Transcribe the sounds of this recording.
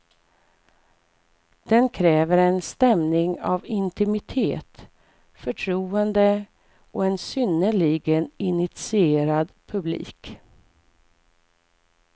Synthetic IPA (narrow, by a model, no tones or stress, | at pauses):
d̪̥ɛnkʰɾɛːvəɾɛnst̪ɛmnɪŋa̰vɪnt̪ɪmɪt̪ʰḛːt̪ | fœʈʰɾuːənd̪ə | ɔɛnsʏnːəɭiɡənɪnɪt̪sɪeːɾad̪pʰɵblḭːk